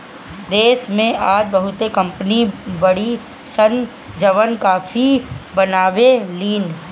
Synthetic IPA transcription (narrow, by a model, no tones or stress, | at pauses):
d̪eːʃmẽʔaːd͡ʒbɐɦʊt̪ekɐ̃mpnibɐɽi | sən | d͡ʒɐʋənkaːfʰibɐnaːʋeliːn